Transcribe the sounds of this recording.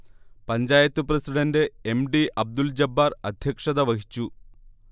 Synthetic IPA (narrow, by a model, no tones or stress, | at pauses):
pɐɲd͡ʑaːjɐt̪ːuprɐsiɽɐndeemɖiʔɐb̚d̪uld͡ʑɐbːarɐd̪ʱjɐkʂɐðɐʋɐhi̥t͡ɕːu